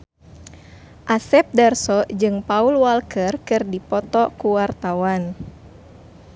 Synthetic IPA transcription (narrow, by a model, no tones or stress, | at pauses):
ʔasɛp̚dɛrsɔd͡ʒɨŋpaulwalkərkɨrdipɔt̪ɔkuwart̪awan